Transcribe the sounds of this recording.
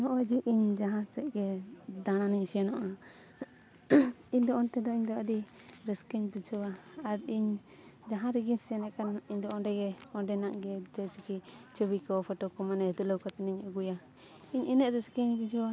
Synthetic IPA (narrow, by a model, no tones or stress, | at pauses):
nɔʔɔd͡ʒiʔiɲd͡ʒaɦãsɛʔɡɛd̪aɽ̃aniɲsiɛnɔʔa | iɲd̪ɔʔɔnt̪ɛd̪ɔiɲd̪ɔad̪i | ɾɛskɛɲbid͡ʒɔwaaɾiɲ | d͡ʒaɦãɾɛɡinsɛnɛkaniɲd̪ɔɔnɾɛɡɛɔnɖɛnaʔɡɛd͡ʒɛt͡ʃikit͡ʃɔbikɔpʰɔʈɔkɔmanɛhɛd̪uləwkɔt̪ɛnɛɲaɡuja | iɲɛnɛʔɾɛskɛɲbid͡ʒʰɔwa